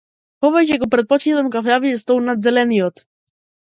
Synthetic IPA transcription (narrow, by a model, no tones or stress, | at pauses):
pɔvɛt͡ʃɛɡɔpɾɛt̪̚pɔt͡ʃit̪amkafjaviɛst̪ɔlnad̪zɛlɛnijɔt̪